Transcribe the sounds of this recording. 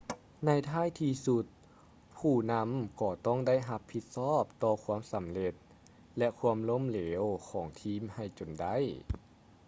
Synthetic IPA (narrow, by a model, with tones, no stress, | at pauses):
na˧˥jt̪ʰaː˥˩˨jt̪ʰiː˧su˧t̪̚ | pʰuː˧˩na˧˥mkɔː˧˩t̪ɔ˥˩ŋda˥˩jɦa˧pʰːi˧t̪̚sɔː˥˩p̚t̪ɔː˧kʰu˧˥əmsa˨˦mle˧t̪̚ | lɛ˧kʰu˧əmlo˧˥˨mleː˨˦wkʰɔː˩˦ŋt̪ʰiː˧˥˩mha˧˩jt͡ɕo˨˩nda˧˥˩j